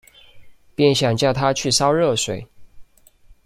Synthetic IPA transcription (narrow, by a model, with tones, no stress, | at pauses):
pjɛ˥˩nɕjɑ˨˩ŋt͡ɕjɑ˥˩ʊt̪ʰa˦˥t͡ɕʰy˥˩sɑ˥ʊɻɤ˥˩ʂwe˨˩ɪ